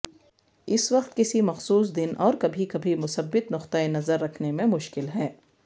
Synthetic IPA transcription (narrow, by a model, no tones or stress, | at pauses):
ɪswɐqt̪̚kɪsimɐxsuːs̬d̪ɪnɔːɾkɐbʱikɐbʱimʊsɐbːɪt̪nʊqt̪aenɐzəɾːɐkʰnemẽmʊʃkɪlɦɛː